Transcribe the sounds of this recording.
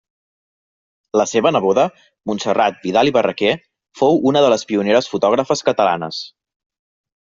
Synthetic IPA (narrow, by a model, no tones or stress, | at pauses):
ləseβənəβoðə | munsərat̪̚biðaliβərəke | fowunəðələspiuneɾəsfut̪ɔɣ̞ɾəfəskət̪əla̰nə̰s